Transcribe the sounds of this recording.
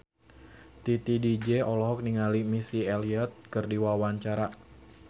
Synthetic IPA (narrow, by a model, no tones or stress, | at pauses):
t̪it̪idid͡ʒɛɔlɔɦɔk̚niŋalimisieliat̪̚kərdiwawaɲt͡ʃaɾa